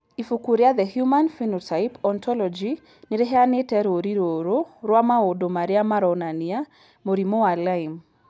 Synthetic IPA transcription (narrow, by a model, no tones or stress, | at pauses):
ifukuɾjad̪ɛhjumanfinɔtajpɔnt̪ʰɔlɔd͡ʒi | nɪɾeɦeanɪtɛɾoɾiɾoɾoɾwamaodomaɾɪamaɾɔnania | moɾimoalaim